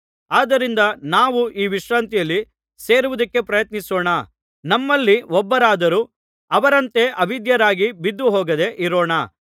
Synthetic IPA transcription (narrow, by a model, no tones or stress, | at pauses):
aːd̪ɐɾind̪ɐnaːʋuʔiːʋiʃɾaːnt̪ijɐlːi | se̞ːɾuʋud̪ɐkːe̞pɾɐjɐt̪nisɔːɳɐ | nɐmːɐlːiɔbːɐɾaːd̪ɐɾu | ɐʋɐɾɐnt̪e̞ʔɐʋid̪jɐɾaːɡibid̪ːuɦɔːɡɐd̪e̞ʔiɾoːɳɐ